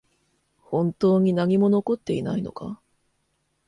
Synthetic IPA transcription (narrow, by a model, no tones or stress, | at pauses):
hõ̞nt̪o̞ːɲ̟inaɲ̟imo̞no̞ko̞t̪ːe̞inaino̞ka